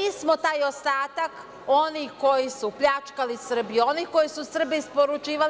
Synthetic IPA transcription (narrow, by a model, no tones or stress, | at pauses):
ismot̪aːjost̪aːt̪ak | o̞nihko̞jisupʎʲat͡ʃkalisr̩bio̞niko̞jisusr̩bispoɾut͡ʃiːʋal